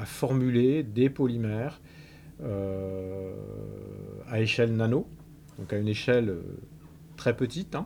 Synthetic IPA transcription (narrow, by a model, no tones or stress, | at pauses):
afɔʁmyled̪epɔlimɛːʁ | ø | a̰eʃɛlnano | d̪̥ɔ̃kayneʃɛlø̰ | t̪χɛpət̪it̪ɛ̃